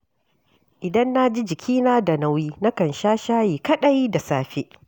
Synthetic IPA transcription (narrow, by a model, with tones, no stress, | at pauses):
ʔɪ˨dɐ˦nːa˦d͡ʒi˦d͡ʒɪ˨kʲʰiː˦naː˦da˨na˨˦wjiː˦na˦kɐ˨nʃaː˦ʃaː˦jiː˨kɐ˦ɗa˦jda˨saː˦ɸe˦ʔ